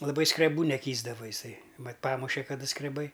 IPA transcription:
lˠɐˈbɐɪ skrʲɛˈbuː nʲɛˈkʲiːzdɐʋoː ɪˈsɐɪ ˈmɐt ˈpɑːmʊʃʲɛ kɐˈdɐ skrʲɛˈbɐɪ

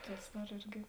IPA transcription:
ˈtʊs ˈdɐr ˈɪrʲɡʲɪ

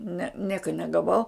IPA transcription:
nʲɛ ˈnʲiɛkɐ nʲɛɡɐˈʋɐʊ

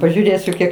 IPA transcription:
pɐʒʲuːˈrʲeːsʲʊ ˈkʲiɛk

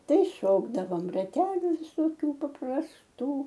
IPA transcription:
ˈtɐɪ ˈʃoːɡdɐʋoːm rɐˈtʲæːlʲʊ ʋʲɪsoːˈkʲuː pɐprɐsˈtuː

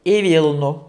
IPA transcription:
ɪ ˈʋʲiːlˠnʊ

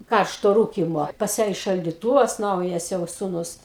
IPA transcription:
ˈkɐrʃtoː ˈruːkʲɪmoː pɐs ˈjæː ɪ ʃɐlʲdʲɪˈtuːʋɐs ˈnɐʊjɛs jɛʊ sʊˈnʊs

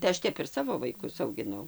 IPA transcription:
tɐɪ ˈɐʃ ˈtʲɛp ɪr ˈsɑːʋoː ʋɐɪˈkʊs ɐʊɡʲɪˈnɐʊ

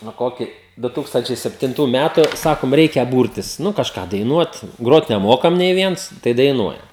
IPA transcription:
nʊ ˈkoːkʲiː ˈdʊ ˈtuːkstɐnʲt͡ʃʲɛɪ sʲɛpʲtʲɪnˈtuː ˈmʲætʊ ˈsɑːkoːm ˈrʲɛɪkʲɛ ˈbuːrʲtʲɪs ˈnʊ kɐʃˈkɑː dɐɪˈnuɔt ˈɡroːt nʲɛˈmoːkɐm nʲɛɪ ˈʋʲiɛns tɐɪ dɐɪˈnuɔjɛm

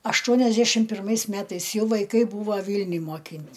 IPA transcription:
ɐʃˈtuɔnʲɛʒʲdʲɛʃʲɪm pʲɪrˈmɐɪs ˈmʲæːtɐɪs ˈjɛʊ ʋɐɪˈkɐɪ ˈbuːʋɐ ˈʋʲiːlʲnʲʊj moːˈkʲiːnʲtʲ

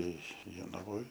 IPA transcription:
ˈtɐɪ joːnɐˈʋoːj

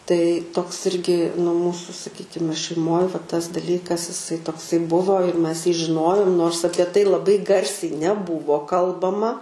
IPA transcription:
tɐɪ toːks ˈɪrʲɡʲɪ nʊ ˈmuːsʊ sɐˈkʲiːkʲɪmʲɛ ʃʲɛɪˈmoːj ʋɐ tɐs dɐˈlʲiːkɐs ɪˈsɐɪ toːkˈsɐɪ ˈbʊʋoː ɪr ˈmʲɛs jiː ʒʲɪˈnoːjoːm noːrs ˈɑːpʲiɛ tɐɪ lˠɐˈbɐɪ ˈɡɐrʲsʲɛɪ nʲɛˈbuːʋoː ˈkɐlˠbɐmɐ

